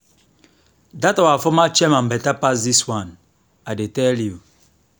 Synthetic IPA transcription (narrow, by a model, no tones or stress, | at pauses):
datɔwafɔmat͡ʃɛmãm̩bɛtapas̬diswãn | adetɛlju